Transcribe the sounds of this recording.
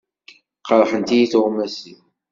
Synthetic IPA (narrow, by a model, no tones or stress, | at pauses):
qɑɾˤħənt̪ijiθʁmæsi